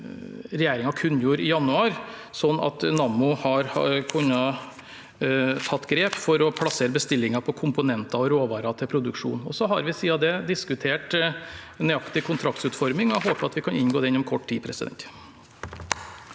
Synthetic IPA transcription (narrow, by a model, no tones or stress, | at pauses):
ɾɛjæːɾɪŋɑkʰʉnːjuːɾɪjɑnʉɑːɾsɔnːɑ̰t̪nɑmʊhɑɾkʰʉnːɑ | t̪ʰɑt̪ːɡɾeːpfɔɾɔpʰlɑseːɾəbəst̪ɪlːɪŋɑpʰɔkʰʊmpʊnɛnt̪ɑɔɾoːʋɑːɾɑt̪ʰɪlpʰɾʊd̪ʉkʂṵːnɔ̰sɔɦɑɾʋɪsiːɑd̪ɛd̪ɪskʉt̪ʰeːʈ | nyɑkt̪ɪkʰʊnt̪ʰɾɑk̚t̪sʉːt̪fɔɾmɪŋɔæɦoːpəɾɑt̪ʋɪkʰɑnɪnɡoːd̪ɛɪnːɔmkʰɔʈːtiːpʰɾɛsɪd̪ɛ̰nt̪